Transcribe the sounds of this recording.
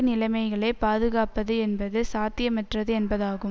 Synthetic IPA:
nɪlɐɪmɐɪɣɐɭɐɪpaːðɯɣaːpɐðɯɛnbɐðɯsaːt̪ɪjɐmɐʈrɐðɯɛnbɐðaːɣɯm

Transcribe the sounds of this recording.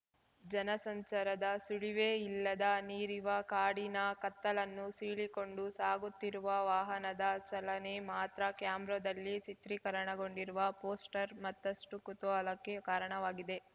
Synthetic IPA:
d͡ʒɐnɐsɐɲt͡ʃɐɾɐd̪ɐsuɭiʋeːilːɐd̪ɐniːɾiʋɐkaːɽinɐkɐt̪ːɐlɐnːusiːɭiko̞ɳɖusaːɡut̪ːiɾuʋɐʋaːɦɐnɐd̪ɐt͡ʃɐlɐne̞maːt̪ɾɐkjaːmbɾod̪ɐlːit͡ʃit̪ɾikɐɾɐɳɐɡo̞ɳɖiɾuʋɐpoːsʈɐɾmɐt̪ːɐsʈukut̪uɐlɐkːe̞kaːɾɐɳɐʋaːɡid̪e̞

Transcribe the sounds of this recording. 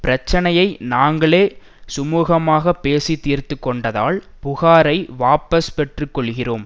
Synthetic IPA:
pɪɾɐt͡ʃːɐnɐjɐɪnaːŋɡɐɭeː | sʊmuːɣɐmaːɣɐpːeːsit̪ːiːɾt̪ɯkːɔɳɖɐða̰ːɭ | pʊɣaːɾɐɪʋaːpɐspɛʈrɯkːɔɭɣɪroːm

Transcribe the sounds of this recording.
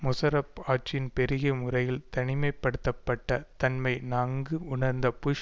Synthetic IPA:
mʊsɐɾɐpaːʈ̚t͡ʃːɪnpɛɾɪɣɐmʊrɐjɪlt̪ɐnɪmɐɪpːɐɽɯt̪ːɐpːɐʈːɐt̪ɐnmɐɪnaːŋɡɯʊɳɐɾnd̪ɐpʊʂ

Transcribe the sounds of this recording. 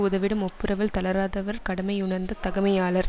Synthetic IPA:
ʊðɐʋɪɽɐmɔpːɯɾɐʋɪlt̪ɐlɐɾaːðɐʋɐɾkɐɽɐmɐɪʊɳɐɾnd̪ɐt̪ɐɣɐmɐjaːɭɐɾ

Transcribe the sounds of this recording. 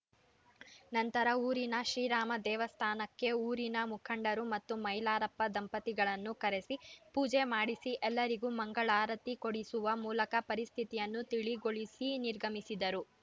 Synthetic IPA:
nɐnt̪ɐɾɐuːɾinɐʃɾiːɾaːmɐd̪ɛːʋɐst̪ʰaːnɐkːe̞uːɾinɐmukʰɐɳɖɐɾumɐt̪ːumɐjlaːɾɐpːɐd̪ɐmpɐt̪iɡɐɭɐnːukɐɾe̞sipuːd͡ʒemaːɽisiʔɛlːɐɾiɡumɐŋɡɐɭaːɾɐt̪ːikoɽisuʋɐmuːlɐkɐpɐɾist̪ʰit̪ijɐnːut̪iɭiɡoɭisiniɾɡʱɐmisid̪ɐɾu

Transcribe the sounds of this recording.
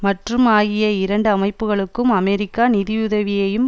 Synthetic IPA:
mɐʈrɯmaːɣɪjɐɪɾɐɳɖɯɐmɐɪpːɯɣɐɭɯkːɯmɐmɛɾɪkːaːnɪðɪjʊðɐʋɪjɐjɯm

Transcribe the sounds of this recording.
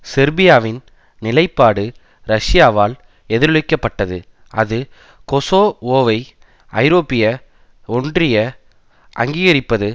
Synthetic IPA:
sɪɾbɪjaːʋɪn | nɪlɐɪpːaːɽɯ | ɾɐʂɪjaːʋaːl | ɛðɪɾɯɭɪkːɐpːɐʈːɐðɯ̰ | ɐðɯ | kɔsoːoːʋɐɪ | ɐ̰ɪɾoːpːɪjɐ | ɔndrɪjɐ | ʔɐ̰ŋɡiːɣɐɾɪpːɐðɯ

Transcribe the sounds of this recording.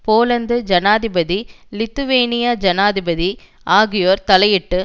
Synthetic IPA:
poːlɐnd̪ɯd͡ʒɐnaːðɪbɐði | lɪt̪ːɯʋeːnɪjaːd͡ʒɐnaːðɪbɐði | ʔaːɣɪjoːɾt̪ɐlɐjɪʈːɯ

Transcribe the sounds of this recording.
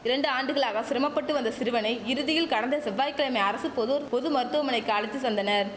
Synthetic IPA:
ɪɾɐɳɖɯaːɳɖɯɣɐɭaːɣɐsɪɾɐmɐpːɐʈːɯʋɐnd̪ɐsɪɾɯʋɐnɐɪɪɾɯðɪjɪlkɐɽɐnd̪ɐsɛʋːaːjkːɐɭɐmɐɐɾɐsɯpɔðoːɾpɔðɯmɐɾɯt̪ːɯʋɐmɐnɐɪkːɯɐɻɪt̪ːɯsɐnd̪ɐnɐɾ

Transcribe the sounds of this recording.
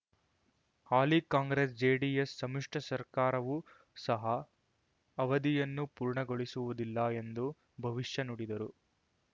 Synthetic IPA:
haːlikaːŋɡɾeːs̬d͡ʒeːɖijesːɐmiʂʈɐsɐɾkaːɾɐʋu | sɐɦɐ | ɐʋɐd̪ijɐnːupuːɾɳɐɡoɭisuʋud̪ilːɐe̞nd̪u | bʱɐʋiʂjɐnoɽid̪ɐɾu

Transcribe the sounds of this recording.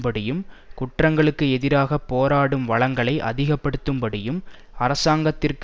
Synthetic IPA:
bɐɽɪjɯmkʊʈrɐŋɡɐɭɯkːɯɛðɪɾaːɣɐpːoːɾaːɽɯmʋɐɭɐŋɡɐɭɐɪʔɐ̰ðɪɣɐpːɐɽɯt̪ːɯmbɐɽɪjɯm | ɐɾɐsaːŋɡɐt̪ːɪrk

